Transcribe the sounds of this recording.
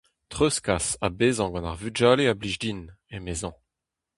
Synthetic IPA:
t̪ʁøskasabeːzɑ̃ɡɑ̃na̰ʁvyd͡ʒaːleabliʒdin | emezɑ̃

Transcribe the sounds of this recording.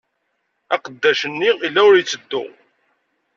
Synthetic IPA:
æqəd̪ːæʃənːiilːæʊɾjət͡sːəd̪ːʊ̰

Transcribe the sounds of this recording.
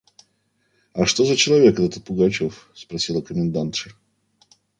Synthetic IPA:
ɐʂt̪o̞zət͡ɕɪlˠɐvʲe̞kɛt̪ət̪ət̪̚pʊɡat͡ɕofspɾɐsʲilˠəkəmʲɪnd̪ant̪ʂɨ

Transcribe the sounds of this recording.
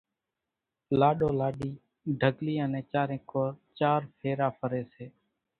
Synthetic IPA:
laːɗoːlaːɗiː | ɖʱəɡliːənẽːt͡ʃaːɾẽːkoːɾt͡ʃaːɾpʰeːɾaːpʰəɾeːseː

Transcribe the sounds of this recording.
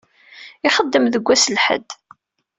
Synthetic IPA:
ɪχəd̪ːəmðəɡʷːæsəlħə̰d̪

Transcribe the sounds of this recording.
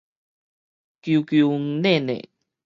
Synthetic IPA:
kiukiuŋnenḛ

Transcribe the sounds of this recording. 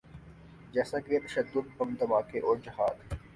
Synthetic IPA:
d͡ʒɛːsãːket̪ɐʃəd̪ːʊd̪̚bɐmd̪ɐmaːkeʔoːɾd͡ʒɐɦaːd̪

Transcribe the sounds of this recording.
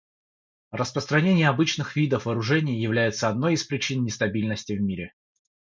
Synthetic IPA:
rəspɾəst̪ɾɐnʲenʲɪjəɐbɨt͡ɕnɨxvʲid̪əfvəɾʊʐɛnʲɪjjɪvlʲæjɪt̪səɐd̪no̞jispɾʲɪt͡ɕinnʲɪst̪ɐbʲilʲnəsʲtʲɪvmʲiɾʲɪ

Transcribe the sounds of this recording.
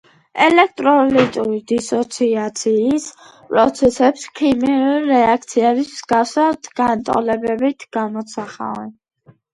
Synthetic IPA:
ɛlɛk̚ʰt̪ʼɾɔlit̪ʼuɾid̪isɔt̪sʰiat̪sʰiːs | pʼɾɔt̪sʰɛsɛpskʰimiuɾɛak̚ʰt̪sʰiɛbismz̥ɡafsad̪ɡant̪ʼɔ̰lɛbɛbit̪ʰɡ̥amɔt̪sʰaχa̰vɛn

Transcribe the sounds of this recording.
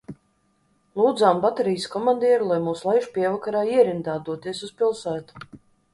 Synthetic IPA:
lˠuːd̪zaːmbat̪ɛɾijskɔmand̪iɛɾulˠajmuːslˠajʃpʲiɛvakaɾaːiɛɾind̪aːd̪uɔt̪iɛsuspilˠsæːt̪u̥

